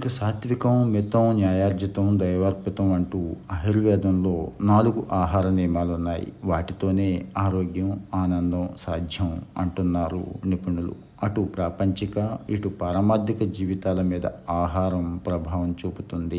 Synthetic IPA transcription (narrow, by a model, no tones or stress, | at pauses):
ikɐsaːt̪ʋikɐmmit̪ɐmnjaːjaːɾd͡ʒɐt̪ɐmd̪ɐjɐʋɐɾpit̪ɐmɐɳʈuːɐɦiɾʋɛːd̪ɐmlo̞ːnaːluɡuʔaːɦaːɾɐniːmaːlunːaːjḭʋaːʈit̪o̞ːne̞ːaːɾoːɡjɐmaːnɐnd̪ɐmsaːd̪ʱjɐmɐ̰ɳʈunːaːɾṵnipiɳulṵ | ɐʈupɾaːpɐɲt͡ʃikɐiʈupɐɾɐmaːd̪ikɐd͡ʒiːʋit̪aːlɐmiːd̪ɐ̰aːɦaːɾɐmpɾɐbʱaːʋɐmt͡ʃuːput̪und̪i